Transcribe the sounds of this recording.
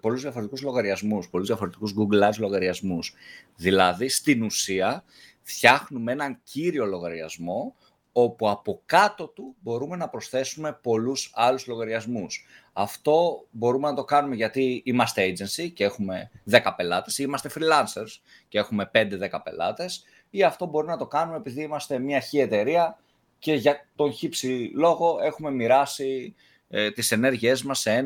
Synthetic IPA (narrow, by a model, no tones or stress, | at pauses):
po̞luzðjɐfoɾt̪ikuzlo̞ɣɐɾiɐzmuspo̞luzðjɐfoɾe̞t̪ikuzɡuɡlɐzlo̞ɣɐɾiɐzmusðilɐðist̪inusiɐ | fçɐxnumee̞nɐɲciɾio̞lo̞ɣɐɾiɐ̰zmo̞ | o̞puɐpokɐt̪o̞t̪ubo̞ɾume̞nɐpɾo̞sθe̞sume̞po̞lusɐluzlo̞ɣɐɾiɐzmus | ɐft̪o̞bo̞ɾume̞nɐt̪o̞kɐnume̞ʝɐt̪iimɐst̪eed͡ʑe̞nsicee̞xume̞ðe̞kɐpe̞lɐt̪e̞simɐst̪e̞fɾilɐnse̞ɾs | cee̞xume̞pe̞nd̪e̞ðe̞kɐpe̞̰lɐ̰t̪e̞s | iɐft̪o̞bo̞ɾimenɐt̪o̞kɐnumeːpiðiimɐst̪e̞mɲɐçie̞t̪e̞ɾiɐ | ce̞ʝɐt̪o̞nçipsilo̞ɣo̞e̞xume̞miɾɐsi | t̪ise̞ne̞ɾʝie̞zmɐsːeen